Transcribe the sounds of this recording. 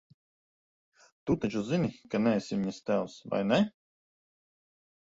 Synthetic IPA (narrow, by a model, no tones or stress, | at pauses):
t̪ut̪at͡ʃuzinʲikanʲɛɛsʲimʲist̪ʲæwsva̰jnʲɛ